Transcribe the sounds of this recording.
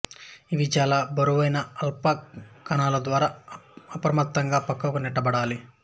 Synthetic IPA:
iʋit͡ʃaːlaːbɐɾuʋɐjnɐɐlpakkːɐnaːlɐd̪ʋaːɾaːɐpɾɐmɐt̪ːɐŋɡaːpɐkːɐkunɛʈːɐbɐɽaːli

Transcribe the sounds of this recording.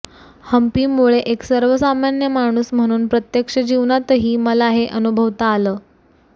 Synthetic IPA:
həmpiːmuɭeʔeksəɾʋəsamanjəmaɽ̃uːsm̤əɽ̃uːnpɾət̪jəkʂəd͡ʑiʋɳat̪əɦiːməlaɦeʔənubʱəʋt̪aːləː

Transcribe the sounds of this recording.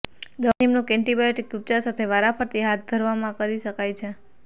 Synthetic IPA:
ɡ̪ənimnũkɛɳʈibajoʈikjup̚t͡ʃasat̪ʰeʋaɾafʰəɾt̪iɦat̪̚d̪ʱəɾʋamãkəɾiʃəkajt͡ʃʰe

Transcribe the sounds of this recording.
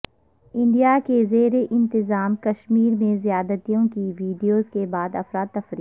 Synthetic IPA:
ɪ̃ɳɖijakezeːɾeʔɪ̃nt̪ɪzaːmkɐʃmiːɾmẽzijaːd̪ət̪ijõkiʋiːɖijoːzkebaːd̪ɐfɾaːd̪ːɐfɾiː

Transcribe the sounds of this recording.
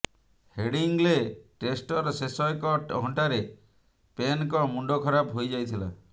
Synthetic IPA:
heɽiŋleʈesʈɔɾsesɔjkɔʈɦɔɳʈaɾe | penkɔmuɳɖokʰɔɾapɦojd͡ʒajt̪ʰila̰

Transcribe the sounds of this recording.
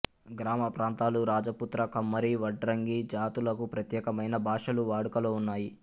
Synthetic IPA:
ɡɾaːmɐpɾaːnt̪aːluɾaːd͡ʒɐput̪ɾɐkɐmːɐɾiʋɐɖɾɐŋɡid͡ʒaːt̪ulɐkupɾɐt̪jɛːkɐmɐjnɐbʱaːʂɐluʋaːɽukɐloːunːaːji

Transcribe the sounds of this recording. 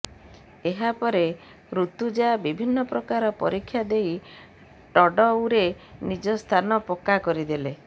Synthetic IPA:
eɦapɔɾe | ɾut̪ud͡ʒabibʱinːɔpɾɔkaɾɔpɔ̰ɾikʰːjad̪ej | ʈɔɖɔuɾenid͡ʒɔst̪ʰanɔpokakɔɾid̪ile

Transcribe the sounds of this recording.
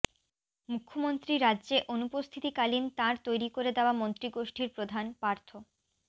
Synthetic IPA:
mukʰːomont̪ɾiɾadːʑeʔonupost̪ʰit̪ikalint̪ãɾt̪ojɾikoɾed̪eoamont̪ɾiɡoʃʈʰiɾpɾod̪ʱanpaɾt̪ʰo

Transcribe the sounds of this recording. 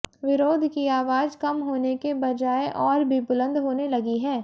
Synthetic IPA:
ʋɪɾoːd̪ʱkiaːʋaːd͡ʒkɐmɦoːnekebɐd͡ʒaːeʔɔːɾbʱibʊlə̃nd̪ɦoːnelɐɡiɦɛː

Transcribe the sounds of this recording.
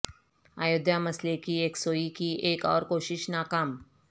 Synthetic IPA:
aːjʊd̪jamɐslekieːksoːikieːkɔːɾkoːʃɪʃnaːkaːm

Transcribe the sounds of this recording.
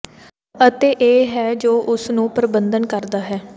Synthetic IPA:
ət̪eːʔeːɦɛːd͡ʒoːʔʊsnũːpɾəbənd̪ənkəɾd̪aːɦɛː

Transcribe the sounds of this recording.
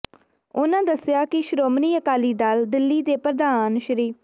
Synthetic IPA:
ʊnãːd̪əsɪjaːkɪʃɾoːmniːəkaːliːd̪aːld̪ɪlːiːd̪eːpəɾd̪aːnʃəɾiː

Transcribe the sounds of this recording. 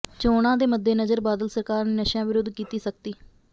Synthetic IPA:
t͡ʃoːɽãːd̪eːməd̪ːeːnəzəɾbaːd̪əlsəɾkaːɾneːnəʃjãːʋɪɾʊd̪kiːt̪iːsək̚t̪iː

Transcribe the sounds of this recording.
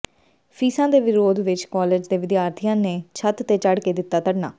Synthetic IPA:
pʰiːsãːd̪eːʋɪɾoːd̪ʋɪt͡ʃkɔːleːd͡ʒd̪eːʋɪd̪jaːɾt̪ʰɪjãːneːt͡ʃʰət̪t̪ːeːt͡ʃəɽkeːd̪ɪt̪ːaːt̪əɽnaː

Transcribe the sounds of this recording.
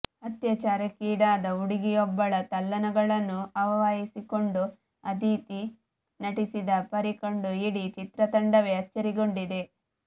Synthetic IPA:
ɐt̪jɐt͡ʃaːɾɐkiːɽaːd̪ɐuɽiɡijɔbːɐɭɐt̪ɐlːɐnɐɡɐɭɐnːuɐʋɐʋaːjisiko̞ɳɖu | ɐd̪iːt̪i | nɐʈisid̪ɐpɐɾiko̞ɳɖuiɽit͡ʃit̪ɾɐt̪ɐɳɖɐʋe̞ɐt͡ʃːɐɾiɡo̞ɳɖid̪e̞

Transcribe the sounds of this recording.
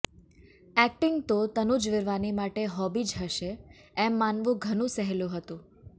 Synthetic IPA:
ɛk̚ʈɪŋɡt̪ot̪ənud͡ʒʋɪɾʋanimaʈeɦɔbid͡ʒɦəʃeɛmːanʋũɡʱənũsəɦeljũɦət̪ũ

